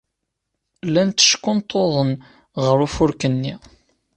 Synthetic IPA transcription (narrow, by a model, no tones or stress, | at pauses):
lːænt̪ːə̥ʃkːʊnt̪ʰːoðˤən | ʁəɾufʊɾkənːi